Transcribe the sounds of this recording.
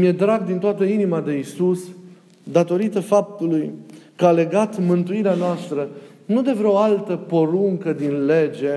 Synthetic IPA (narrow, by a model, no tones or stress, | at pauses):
mje̞d̪ɾaɡ̚d̪int̪oat̪əinimad̪e̞isus | d̪at̪o̞ɾit̪əfap̚t̪ulujkəale̞ɡat̪mɨnt̪uiɾeanoast̪ɾə | nud̪e̞vɾeoalt̪əpo̞ɾuŋkəd̪inle̞d͡ʒe̞